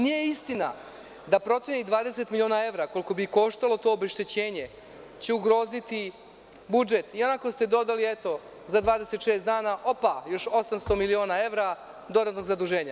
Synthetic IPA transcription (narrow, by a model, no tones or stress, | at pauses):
nije̞ist̪ina̰ | d̪apɾo̞t̪sjenid̪ʋaːd̪eset̪milio̞ːnae̞ʋɾako̞liko̞biko̞ːʃt̪alo̞t̪o̞ːobeʃt̪et͡ɕe̞ːɲe̞ | t͡ɕeuɡɾo̞ːzit̪i | bud͡ʒe̞t̪io̞nakost̪e̞d̪o̞d̪aliet̪o̞ | zad̪ʋaːd̪ese̞t̪ʃe̞ːsd̪aːnaʔo̞pajo̞ʃo̞samst̪o̞milio̞ːnae̞ʋɾa | d̪o̞d̪at̪no̞ɡzad̪uʒe̞ːɲa